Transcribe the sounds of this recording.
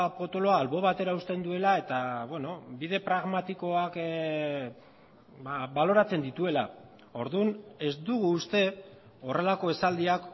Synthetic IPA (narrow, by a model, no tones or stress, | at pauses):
po̞t̪o̞lo̞aːlβo̞β̞at̪e̞ɾaust̪e̞nd̪ue̞lae̞t̪aβeno̞biðe̞pɾaɣmat̪iko̞ak | aβalo̞ɾat͡se̞nd̪it̪ue̞la | o̞ɾðune̞zd̪uɣuːst̪e̞ | o̞re̞lako̞e̞sald̪iak